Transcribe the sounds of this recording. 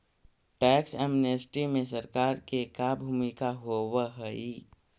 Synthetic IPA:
ʈɛːksɛːmnesʈimẽsəɾkaːɾkekabʱuːmikaɦowəɦəi

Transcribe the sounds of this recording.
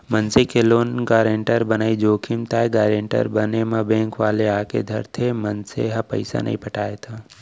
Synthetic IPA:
mənsekʰeloːnɡaːɾẽɳʈəɾbənaːid͡ʒoːkʰɪmt̪aːeɡaːɾeɳʈə̰ɾbənemãbẽːŋkʋaːleaːkʰḛd̪ʱɐɾt̪ʰemənsḛɦɐpə̰ɪsa̰nɐ̰ḭ̃pʰəʈaːet̪ʰaː

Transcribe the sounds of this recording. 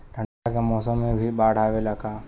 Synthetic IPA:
ɾʱəɳakemɔːsəmːẽbʱibaːɽ̤aːʋelaɡaː

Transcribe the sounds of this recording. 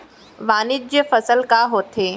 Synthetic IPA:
ʋaːnɪd̪̚d͡ʑefɐsəlkaɦoːt̪ʰeː

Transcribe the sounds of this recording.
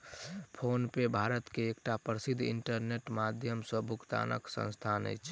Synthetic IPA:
pʰonpebʱaːɾət̪keːkʈapɾəsid̪ʱːḭɳʈəɾneʈmad̪ʱjəmsə̃bʱʊkt̪a̰nə̰ksə̰̃nst̪ʰanə̰jt͡ʃʰ

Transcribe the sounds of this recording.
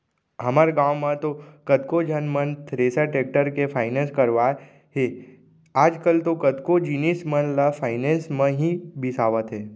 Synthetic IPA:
ɦɐmaɾɡãːwmãt̪okət̪kod͡ʒʱənmənt̪ʰɾeːsaʈeːk̚ʈəɾkepʰaːɪnẽːskəɾʋa | ɦe | aːd͡ʒkəlt̪okət̪kod͡ʒinismənləfʰaːɪnẽːnsmẽɦibɪsaːʋət̪ɦeː

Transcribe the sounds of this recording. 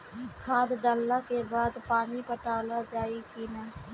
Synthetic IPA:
kʰaːd̪ɖəlːãkebaːd̪paːnipəʈaːlad͡ʒaːikiːnaː

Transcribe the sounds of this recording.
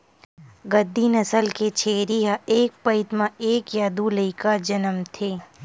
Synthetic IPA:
ɡɐd̪ʱːinɐsəlket͡ʃʰeːɾiɦaeːk̚pɐɪt̪mãeːkjaːd̪uləɪkad͡ʒɐnəmt̪ʰeː

